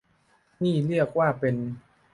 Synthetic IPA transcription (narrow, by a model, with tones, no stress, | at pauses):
niː˥˩lɯ˥˩ək̚waː˥˩pe˧n